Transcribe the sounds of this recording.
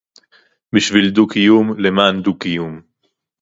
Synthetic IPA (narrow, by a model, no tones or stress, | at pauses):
biʃvild̪ukijumlemaːnd̪ukijum